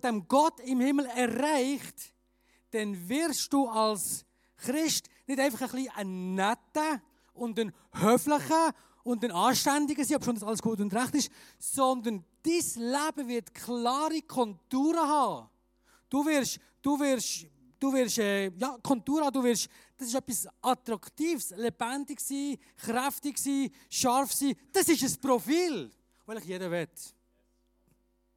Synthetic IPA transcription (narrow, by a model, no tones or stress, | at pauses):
d̥ɛmɡ̥ɔtɪmhɪml̩ɛraɪχt | d̥ɛnvɪɾʃd̥uːals | χɾɪʃtnɪdæɪfɑχəχliːʔənɛtə | ʔʊntən | høːfləχə | ʊndənɑːʃtændɪɡəsiːɔpʃondɑsɑləsɡ̥uːət̬ʊndɾæχtɪʃsɔndənd̥islæb̥əvɪtkʰlɑːɾikʰɔntuːɾəɦɑː | d̥uvɪɾʃ | d̥uvɪɾʃ | d̥uvɪɾʃɛjɑːkʰɔntuːɾhɑːduːvɪɾʃ | d̥ɑsɪʃœpːisʔɑt̪ɾɑktiːfslɛb̥ændɪɡsiː | χɾæftɪɡsiː | ʃɑɾfsiːd̥ɑsɪʃəspɾɔfiːl | vɪlɪχjedəvɛt